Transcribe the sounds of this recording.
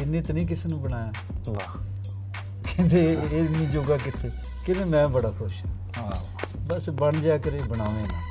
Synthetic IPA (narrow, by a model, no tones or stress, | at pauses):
ɪnːẽːt̪nĩːk̬ɪseːnũːbəɽaːjaː | kẽnd̪eːnĩːd͡ʒoːɡaːk̬ɪt̪ʰeː | kẽd̪eːmɛ̃ːbəɽaːkʰʊʃaː | ɦãːabəsbəɳd͡ʒaːkəɾeːbəɽ̃aːʋẽːnãː